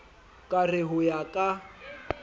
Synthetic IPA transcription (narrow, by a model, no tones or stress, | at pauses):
kʼarɪɦʊjakʼa